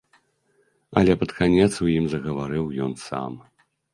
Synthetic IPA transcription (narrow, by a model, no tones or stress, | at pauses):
ɐ̰lʲɛpɐt̪kanʲɛt̪sujimzɐɣɐvaɾɨwjɔnsa̰m